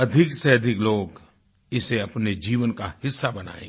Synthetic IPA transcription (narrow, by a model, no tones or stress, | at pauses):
ɐd̪ʱɪkseɐd̪ʱɪkloːɡ | ɪseɐpned͡ʒiːʋənkahɪsːabɐna̰ːḛ̃ːɡ